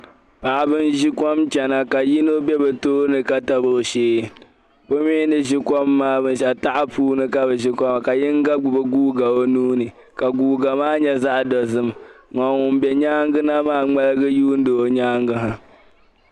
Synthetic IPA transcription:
pa˨ʔa˨bɨ˦n˦ʒi˦kɔ˦mt͡ʃɛ˨na˨ka˨ji˦no˦bɛ˦bɛ˨toː˦nɨ˨ka˦ta˦bo˨ʃeː˦ | bo˦miː˦nɨ˦ʒi˦kɔ˦mːaː˦bɨ˦n˦ʃɛ˨ta˦ʔa˦puː˦nɨ˦ka˦bɛ˨ʒi˦kɔ˦ma˨ka˨jɪ˦ŋ˦ɡa˦ɡ͡bʊ˨bɨ˦ɡuː˦ɡa˨o˦nuː˦nɨ˨ | ka˨ɡuː˦ɡa˨maː˦ɲɛ˦za˦ʔdɔ˨zɨ˦mŋɔ˨ŋ˨ʊ˨m˨bɛ˨ɲaː˦ŋɡɨ˦na˦maː˦ŋ͡mɛ˦lɨ˦ɡɨ˦juː˦n̩˦do˨o˨ɲaː˦ŋɡɨ˦ɦa˨

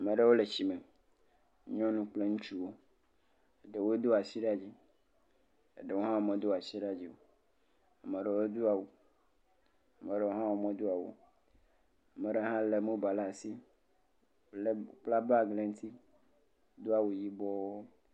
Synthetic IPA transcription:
a˨mẽ˨ɖe˦wo˦le˨t͡ɕi˨me˨˦ | ɲɔ̃˦nũ˦k͡ple˦ŋũ˦t͡ʃu˦wo˦ | e˨ɖe˨wo˦d̪o˦a˨si˦ɖa˦˨d͡ʑi˦ | ḛ˨ɖe˨wo˦ɦã˦wo˦mẽ˨d̪o˦a˨si˦ɖa˦d͡ʑi˦wo˦˨ | a˨mẽ˨ɖe˨wo˦d̪u˦a˨wu˨ | a˨mẽ˨ɖe˨wo˦ɦã˦wo˦mẽ˦d̪o˦a˨wṵ˨ | a˨mẽ˨ɖe˦ɦã˦le˨mõ˦ba˨la˦˨si˦ | wle˨k͡pla˦ba˦ɡle˨ŋ̩˦t̪ʰi˦ | d̪o˦a˨wu˨ji˦bɔ˦wo˦

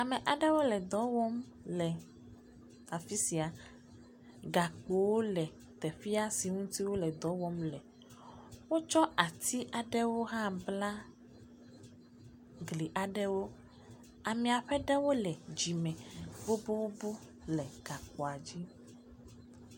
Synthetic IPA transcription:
a˨mɛ̃˨ʔa˨ɖɛ˦wo˦lɛ˨d̪ɔ˨˦wɔ˦m | lɛ˨ | a˨fi˦si˨a˨ | ɡa˨k͡po˨wo˦lɛ˨ | t̪ɛ˨fi˦a˦si˨ŋũ˦t̪i˦wo˦lɛ˨d̪ɔ˨˦wɔ˦mlɛ˨ | wo˦t͡ʃɔ˦a˨t̪ʰi˦ʔa˨ɖɛ˦wo˦ɦã˦bla˦ | ɡli˨ʔa˨ɖɛ˦wo˦ | a˨mĩ˨a˨ɸɛ˦ɖɛ˦wo˦lɛ˨d͡ʑi˨mɛ̃˨bo˦bo˦wo˦bu˦ | lɛ˨ɡ̥a˨k͡pɔ˨a˨d͡ʑi˦

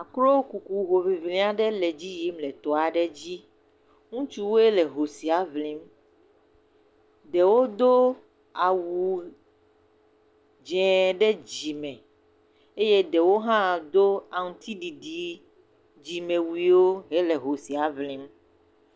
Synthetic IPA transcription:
a˨klo˦ku˨ku˨ɦo˨vi˨vlĩ˦a˦ɖɛ˦lɛ˨d͡ʑi˦ji˦mlɛ˨t̪ɔ˨a˨ɖɛ˦d͡ʑi˦ | ŋũ˦t͡ʃu˦wo˦e˦lɛ˨ɦo˨si˨a˨vlĩ˦m | ɖ̪ɛ˨wo˦d̪o˦ | a˨wu˨ | d͡ʒɛ̃˨ɖɛ˦d͡ʑi˨mɛ̃˨ | e˦je˦dɛ˨wo˦ɦã˦d̪o˦a˨ŋ˨t̪ʰi˦ɖi˨ɖi˨ | d͡ʑi˨mẽ˨wi˨˦wo˦ɦe˦lɛ˨ɦo˨si˨a˨vlĩ˦m

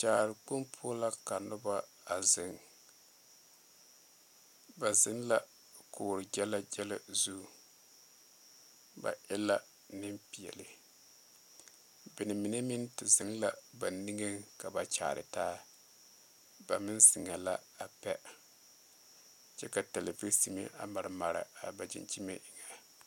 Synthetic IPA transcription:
t͡ʃaː˨ɾɪ˨k͡pu˦mpʰʊ˦la˦ka˨nʊ˦ba˦ | a˨zɪ˨ŋ | ba˨zɪ˨˦ŋla˦ | kʊː˨ɾɪ˨d͡ʒɛ˦la˦d͡ʒɛ˦la˦zu˦˨ | ba̰˨ʔɪ˦la˦ | nɪ˦mpi˨ɛ̰˨lɪ˨ | bɪ˨nɪ˨mi˨ne˦mɪ˦ntɪ˨zɪ˨ŋla˨ba˨ni˦ŋe˦ŋka˨ba˨t͡ʃa̰ː˨ɾɪ̰˨taː˦ | ba˨mɪ˦nsɪ˨ŋa˨la˦a˨pɛ˦ | t͡ʃɛ˦ka˨tɛ˨le˨vi˦si˨mḭ˦ʔa̰˨ma˨ɾɪ˨ma˨ɾa̰˨a˨ba˨d͡ʒɪ̰˨nt͡ʃi˦mḛ˦ʔɪ˨ŋa˨

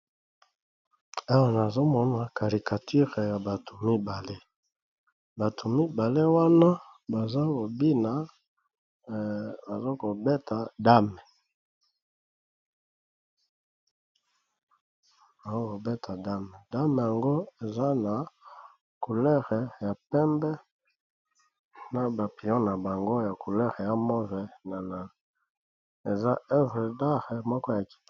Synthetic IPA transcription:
a˦wa˦˨na˨zo˦mɔ˦na˨ka˨ʁi˨ka˨tʰi˦ʁja˨ba˨to˨mi˦ba˨le˦ | ba˨to˨mi˦ba˨le˦wa˦na˦ba˨za˦ko˨bi˦na˨˦ | ba˨zo˦ko˨be˦tʰa˨da˦mɛ˨ | ba˨zo˦ko˨bɛ˦tʰa˨da˦mɛ˨da˦mɛ˨ja˨ŋɡo˦e˨za˦na˨ | ku˨lɛ˦ʁɛ˨ja˨pɛ˦mbɛ˦ | na˨ba˨pi˨ɔ̃˦na˨ba˨ŋɡo˦ja˨ku˨lɛ˦ʁɛ˨ja˨mɔ˦vɛ˨na˨la˨ | e˨za˦ɛ˦vʁɛ˨da˦ʁɛ˨mɔ˦kɔ˦ja˨ki̥˨t

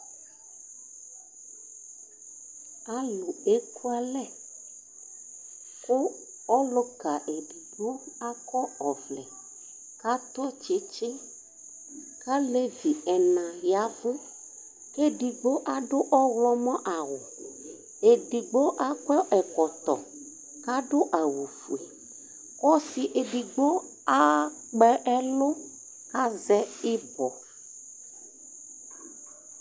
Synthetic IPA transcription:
a˨lu˨e˦ku˦a˦lɛ˦˨ | kʊ˦ | ɔ˦lo˦ɡa˨ʔe˨ɖi˨ɡ͡bo˦a˦kɔ˦ɔ˨vlɛ̰˨ | ka˦t̪ɔ˦t͡ʃe˨˦t͡ʃe˦ | ka˦le˦vi˨ɛ˨nã˨ja˨˦vũ˦ | ke˦ɖi˨ɡ͡bo˦ʔa˦ɖo˦ʔɔ˦wlɔ˦mɔ̃˦ʔa˨wo˨ | e˨ɖi˨ɡ͡bo˦ʔa˦k͡pɛ˦ʔɛ˨kɔ˨t̪ɔ̰˨ | ka˦ɖo˦ʔa˨wu˨fu˨e˨ | kɔ˦si˨ʔe˨ɖi˨ɡ͡bo˦ | a˦ | k͡pɛ˦ʔɛ˦lo˦ | ka˦zɛ˦i˦bɔ˨

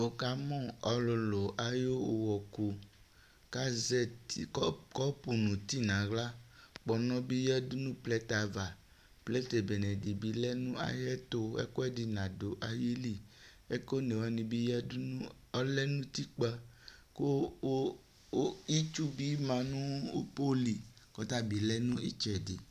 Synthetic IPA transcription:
o˨ka˨mɔ̃˦ɔ˨lo˨lo˨ʔa˨jo˦o˨wɔ˨ko˨ | ka˦zɛ˦ti˨˦kɔ˦pu˨nũ˨t̪i˦nã˨ɡla˦k͡pɔ˨nɔ̃˦bi˦jɛ˦du˦nũ˦plɛ˦t̪a˨va˨ | plɛ˦t̪e˨be˨nɛ̃˨di˨bi˨lɛ˦nũ˦a̰˨jɛ˦t̪o˦ɛ̰˦ko˦ɛ˦di˨nã˨do˨ʔa˨ji˦li˦˨ | ɛ˦ko˦nẽ˨wa˨nĩ˨bi˦jɛ˦du˦ũ˦ | ɔ˦lɛ˦nũ˦ti˦k͡pa˧ | ko˦ | i˦t͡ʃu˦bi˦mã˧nũ˦o̰˦po˦li˨ | kɔ˨˦ta˦bi˨lɛ˦nũ˦ḭ˦t͡ʃɛ˨di˨

